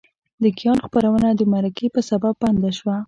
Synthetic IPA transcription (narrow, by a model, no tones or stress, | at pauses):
d̪əkijɑnxpaɾawənad̪əmaɾakepəsabab̚ːand̪aʃwa